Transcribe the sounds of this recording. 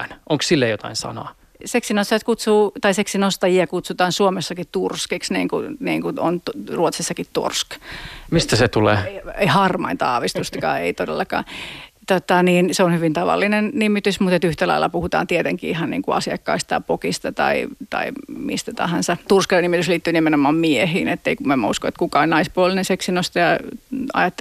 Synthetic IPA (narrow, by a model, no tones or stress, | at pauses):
nʔoŋkssilːejot̪ɑ̰insɑ̰nɑ̰ː | seksinost̪ɑjɑt̪kut̪suːt̪ɑiseksinost̪ɑjiɑkut̪sut̪ɑːnsuomesːɑkitt̪urskiksnḭːŋkuniːŋkuo̰nt̪ruot̪sisːɑkit̪tṵrskmist̪æset̪ulḛːeieihɑrmɑ̰int̪ɑɑ̰ːʋist̪ust̪ɑkɑ̰ːeit̪odḛlːɑkɑ̰ːt̪ot̪ɑniːnseonhyʋint̪ɑʋɑ̰lːinennimːit̪ysmut̪et̪yht̪ælɑ̰ilːˑɑ̰puhut̪ɑ̰ːnt̪iet̪eŋkḭːihɑnnḭːŋkuɑ̰siɑkːɑist̪ɑpokist̪ɑt̪ɑ̰it̪ɑ̰imḭst̪æt̪ɑ̰hɑnsɑt̪ursknimit̪ysliːt̪ːyːnimenomɑːmmiehiːnet̪ːeikumæmːæuskoet̪kukɑonnɑispuolːˑinenseksinost̪ɑjɑɑ̰jɑt̪ː